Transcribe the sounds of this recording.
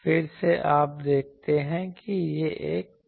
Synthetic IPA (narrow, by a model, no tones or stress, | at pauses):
fɪɾseʔaːp̚d̪eːk̚ʰt̪eɦɛ̃kijeʔeːk̚